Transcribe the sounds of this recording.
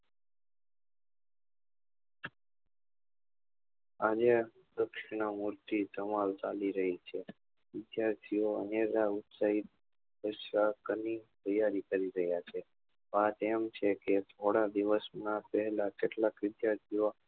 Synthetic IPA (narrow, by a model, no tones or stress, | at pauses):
ad͡ʒe | d̪əkʃɪɳ̃əmuɾt̪isəmalt͡ʃaliɾəɦit͡ʃʰe | ʋɪd̪jaɾt̪ʰioə̰neɾaut̪saɦit̪̚ | pəʃakənit̪əjaɾikəɾiɾəɦjat͡ʃʰe | ʋat̪emt͡ʃʰeket̪ʰoɽad̪iʋəsnãpəɦɛlakeʈlakʋɪd̪jaɾt̪ʰio